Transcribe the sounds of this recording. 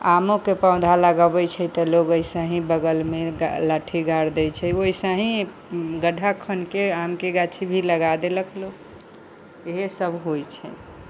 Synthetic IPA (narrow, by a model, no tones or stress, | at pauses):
amokepaʊ̃d̪ʱaləɡəbət͡ʃʰɛt̪əloɡojsaɦĩbəɡəlmeɡalaʈʰiɡaɾd̪ɛjt͡ʃʰɛoisaɦĩ | ɡəɖʱakʰənkeamkeɡat͡ʃʰibʱiləɡad̪eləklo | eɦesəbʱɦojt͡ʃʰɛ̰